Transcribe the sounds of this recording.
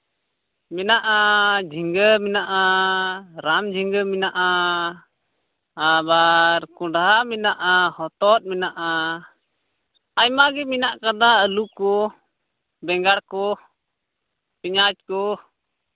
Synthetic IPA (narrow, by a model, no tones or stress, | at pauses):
mɛnaʔad͡ʒʱiŋɡəminaʔa | ɾamd͡ʒʱiŋɡəminaʔa | abaɾkɔ̃ɖɦaminaʔahɔt̪ɔt̪̚mɛnaʔa | ajmaɡɛminaʔkad̪aəlukɔ | bɛŋɡaɽkɔ | piɲat͡ʃ̚kɔ